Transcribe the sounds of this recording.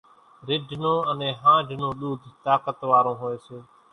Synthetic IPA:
ɾɪɖʱnõːənẽːɦãːɖʱnõːɗuːd̪ʱt̪aːkət̪ʋaːɾõːɦoːeːseː

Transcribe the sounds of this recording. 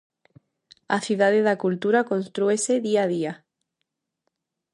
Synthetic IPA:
aθjuðaðeðakult̪uɾakõnst̪ɾueseðiað̞ia

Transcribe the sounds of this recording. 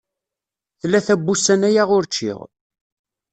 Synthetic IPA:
θlːæθæbːusænæjaʁʊɾt͡ʃːɪ̰ʁ

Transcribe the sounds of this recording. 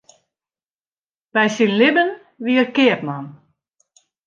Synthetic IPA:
b̥ɛjsinlɪbən | ʋiərkɪəpmɔn

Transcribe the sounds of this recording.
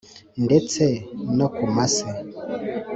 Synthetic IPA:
ndɛt͡sɛnakumasɛ

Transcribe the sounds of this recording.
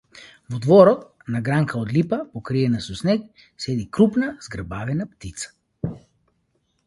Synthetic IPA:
vɔd̪vɔɾɔt̪̚ | naɡɾaŋkʰaod̪lipapokɾiɛnasɔsnɛk | sɛd̪ikɾupnaz̥ɡɾbavɛnapt̪it̪sḁ

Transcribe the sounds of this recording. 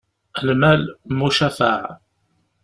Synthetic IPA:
əlmælmuʃæfaʕ

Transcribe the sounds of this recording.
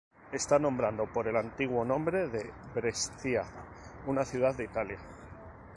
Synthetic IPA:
e̞st̪anõ̞mbɾand̪o̞po̞ɾe̞lant̪iɣwo̞nõ̞mbɾe̞ðe̞βɾe̞st̪ia | unaθjuð̞aððeit̪alja

